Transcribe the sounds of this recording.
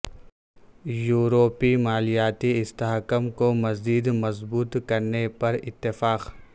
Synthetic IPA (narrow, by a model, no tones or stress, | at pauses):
juːɾoːpimaːlijaːt̪iɪst̪aɦkəmkomɐziːd̪mɐzbuːt̪kɐɾnepɐɾɪt̪ːɪfaːq